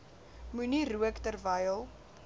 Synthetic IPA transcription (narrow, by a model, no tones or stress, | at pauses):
muniruəktərvəjəlˠ